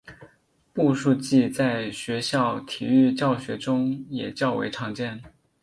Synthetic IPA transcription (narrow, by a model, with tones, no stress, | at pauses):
pu˥˧ʂu˥˧t͡ɕi˥˧t͡sa˥˩ɪɕɥɛ˧˥ɕjɑ˥˩ʊt̪ʰi˨˩y˥˧t͡ɕjɑ˥˩ʊɕɥɛ˧˥ʈ͡ʂʊ˥ŋjɛ˨˩t͡ɕjɑ˥˩ʊwḛ˧˥ɪʈ͡ʂʰɑ˧˥ŋt͡ɕjɛ˥˩n